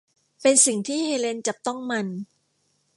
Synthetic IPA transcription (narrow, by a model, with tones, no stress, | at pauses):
pe˧nsi˨˩ŋt̪ʰiː˥˩heː˧le˧nt͡ɕa˨˩p̚t̪ɔ˥˩ŋma˧n